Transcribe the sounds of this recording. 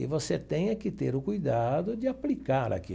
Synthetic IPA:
ɪvoset̪ẽj̃ɐkɪt̪eɾʊkujd̪ad̪ʊd͡ʒɪaplikaɾa̰ki

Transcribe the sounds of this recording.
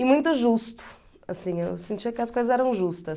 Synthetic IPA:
imũj̃t̪ʊʒust̪ʊ̥ | ɐsĩewsẽnt̪t͡ʃiɐkɪɐskojzɐzɛɾɐ̃w̃ʒust̪ɐ

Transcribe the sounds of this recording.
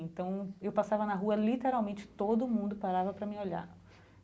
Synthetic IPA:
ẽnt̪ɐ̃w̃ewpasavɐnɐɦuɐlit̪eɾawmẽnt͡ʃɪ̥t̪od̪ʊmũnd̪ʊpaɾavɐpɾɐmĩoʎa̰ɾ

